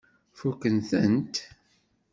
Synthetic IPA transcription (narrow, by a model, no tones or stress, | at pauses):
fukːənθənt̪